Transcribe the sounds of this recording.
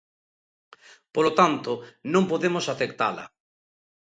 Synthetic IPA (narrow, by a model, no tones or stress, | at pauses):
polot̪ant̪onõmpoðemosaθekt̪a̰lɐ̰